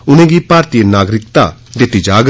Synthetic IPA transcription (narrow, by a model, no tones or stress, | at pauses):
ʊnẽːɡiːpaːɾt̪iənaːɡɾɪk̚t̪a̰ːd̪et̪id͡ʒaːɡ